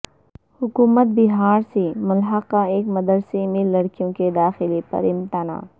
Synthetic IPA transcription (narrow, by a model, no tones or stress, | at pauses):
hʊkuːmət̪̚bɪɦaːɾsemʊlɦakaeːkmɐd̪əɾsemɪ̃lːɐɽkijõked̪aːxɪlepɐ̰ɾɪ̃mt̪ana̰ː